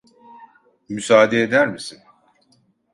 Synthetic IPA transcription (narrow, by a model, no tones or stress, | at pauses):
mysaːd̪eːd̪æɾmisin